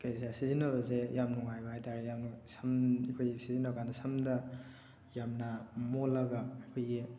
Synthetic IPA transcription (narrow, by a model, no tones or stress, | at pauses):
kajs̬asizinɐβɐzejamnuŋajbɐɦajtʰaɾejamnusɐmikʰojɡisizinakʰanɐsɐmdɐ | jamnɐmolɐɡaajkʰojɡi